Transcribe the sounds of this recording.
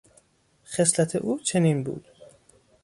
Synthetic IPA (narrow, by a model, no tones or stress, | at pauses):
xeslæt̪ʰḛʔuːt͡ʃʰeniːnbṵːd̪̥